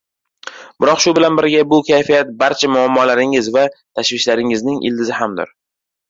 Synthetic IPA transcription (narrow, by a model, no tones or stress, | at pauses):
b̥ɪɾɒqʃʊbɪlanbɪɾɡʲabʊkʲʰajfijat̪̚baɾt͡ʃʰamʊamːɒlaɾɪŋɪzvat̪ʰaʃvɪʃlaɾɪŋɪznɪŋʔɪ̰ld̪ɪzɪhamd̪ɪ̰ɾ